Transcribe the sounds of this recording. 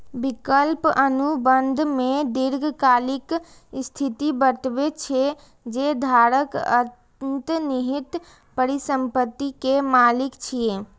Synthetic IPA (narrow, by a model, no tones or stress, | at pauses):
bikəlpənubənd̪ʱmẽd̪ɪɾɡʱkaːlɪk | st̪ʰit̪ibəʈbet͡ʃʰe | d͡ʒed̪ʱaːɾəkə̰ | nt̪niɦit̪ | pəɾisəmpət̪ːikemaːlɪkt͡ʃʰije